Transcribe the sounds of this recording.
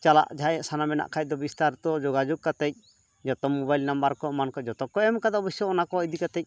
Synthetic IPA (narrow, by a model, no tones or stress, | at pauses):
t͡ʃala̰ʔd͡ʒʱaɛʔsanamɛna̰ʔkʰac̚d̪ɔbist̪aɾt̪ɔd͡ʒoɡad͡ʒɔɡ̚kat̪ɛc̚ | d͡ʒɔt̪ɔmɔbajlnambaɾkɔmankɔd͡ʒɔt̪ɔkɔɛmkad̪abisɔɔnakɔid̪ikat̪ɛc̚